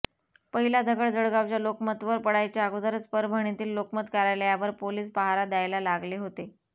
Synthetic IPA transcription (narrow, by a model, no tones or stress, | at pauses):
pəɦilad̪ʱəɡəɭd͡zəɽɡaʋt͡ɕjalokmət̪ʋəɾpəɽajt͡ɕeaɡod̪əɾət͡spəɾbʱəɽ̃it̪iːlːokmət̪kaɾajlajaʋəɾpoliːsbaɦaɾad̪jajlalaɡleɦot̪e